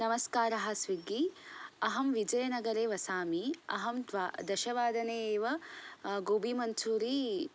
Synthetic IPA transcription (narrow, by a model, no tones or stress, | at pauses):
nɐmɐskaːɾɐɦɐ̆sʋiɡːiɐɦɐmʋid͡ʒɐjɐnɐɡɐɾeːʋɐsaːmiɐ̰ɦɐmd̪d̪ɐʃɐʋaːd̪ɐneːʋɐɡoːbimɐnt͡ʃʰuːɾi